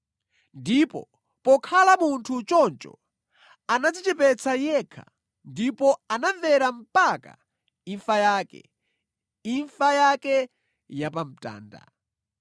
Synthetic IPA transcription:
ndipɔ̰ | pɔkʰalamuntʰut͡ʃɔnt͡ʃɔ̰ | anad͡zɛt͡ʃɛpɛt͡sʰajɛkʰa̰ | ndipɔanavɛɾam̩paka̰ | iɱfajakɛ̰ | iɱfajakɛ | japam̩ta̰ːnda̰

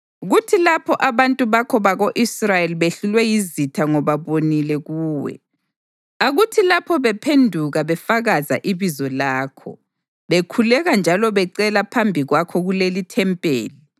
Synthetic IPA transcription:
ɣutʰilapʰɔʔaβantʼuβakʰɔβaɣoʔisrajeliβeɬulwɛjizitʰaŋɔβaβonilɛɣuːwɛ̰ | aɣutʰilapʰɔβɛpʰendʱuɣaβɛfaɣaza̰ʔiβizɔlaːkʰɔ̰ | βekʰulɛɣand͡ʒʱalɔβɛǀɛlapʰambʱiɣwakʰɔɣulelitʰɛmpʼḛːli

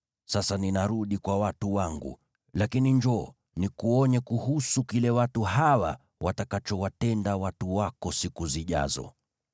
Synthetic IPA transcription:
sasaninaɾuɗikwawatuwaŋɡṵ | lakiniɲd͡ʒɔː | nikuɔɲɛkuhusukilɛwatuhawa̰ | watakat͡ʃɔwatɛndawatuwakɔsikuziʄa̰zɔ̰

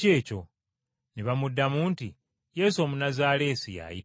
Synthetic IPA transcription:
e̞ːco̞ | neβamudːamuːnti | je̞ːso̞ːmunazaːle̞ːsija̰ji

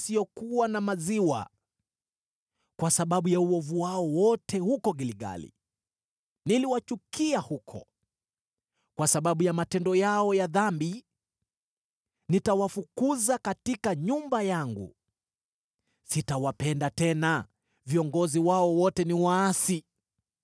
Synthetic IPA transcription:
sijɔkuwanamaziwa̰ | kwasaɓaɓujauɔvuwaɔwɔtʰɛhukɔɡiliɡa̰lḭ | niliwat͡ʃukiahukʰɔ̰ | kwasaɓaɓujamatɛndɔjaɔjaðambi | nitawafukuzakatikaɲumbajaŋɡṵ | sitawapɛndatɛna | viɔŋɡɔziwaɔwɔtɛniwaːsi

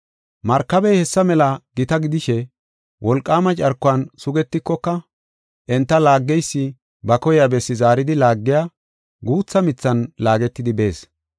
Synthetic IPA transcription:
mɐɾkːɐbɛjhɛsːɐmɛlɐɡɪt̪ɐɡɪd̪ɪʃɛ | wʔɔlkʼːaːmɐt͡ʃʼɐɾkːʊɐnsʊɡɛt̪ːɪkːɔkːɐ | ʔɛnt̪ːɐlaːɡːɛjsːɪ | bɐkɔjabɛsːɪzaːɾɪd̪ɪlaːɡːɪjaː | ɡuːt͡sːɐmɪt͡sːɐnlaːɡɛt̪ːɪd̪ɪbe̞ːs

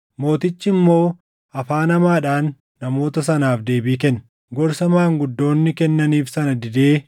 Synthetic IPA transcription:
mo̞ːt̪ɪt͡ʃːɪmːo̞ː | ɐfaːnɐmaːᶑaːnː | ɐmo̞ːt̪ɐs̬ɐnaːfd̪e̞ːbiːkɛnː | ɡɔɾsɐmaːŋɡʊd̪ːo̞ːnːɪkɛnːɐniːfsɐnɐd̪ɪd̪e̞ː

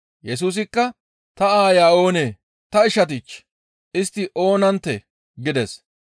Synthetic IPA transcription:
jɛs̬uːs̬ɪkːɐ | t̪ɐaːjaːo̞ːneː | t̪ɐɪʃɐt̪̬ɪt͡ʃː | ʔɪst̪ːɪʔo̞ːnɐnt̪ːɛ | ɡɪd̪ɛs

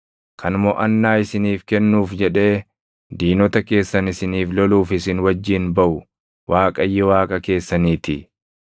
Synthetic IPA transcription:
kʰɐnmɔʔɐnːaːɪsɪniːfkɛnːuːfd͡ʒɛᶑe̞ː | d̪iːnɔt̪ɐke̞ːsːɐnɪsɪniːflɔluːfɪsɪnwɐd͡ʒːɪːnbɐʔʊ | waːkʼɐjːɛwaːkʼɐke̞ːsːɐniːt̪ɪ

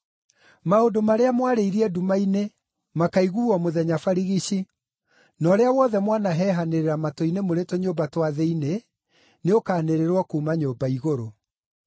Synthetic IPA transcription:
maodomaɾeamwaɾeiɾiɛdumaine | makaiɣuɔmoðɛɲafaɾiɣiɕi | nɔːɾeawɔðɛmwanaɦɛɦaneɾeɾamatoinemoɾetoɲoːbatwaðeine | neokaːneɾeɾwɔkuːmaɲoːbaiɣoɾo

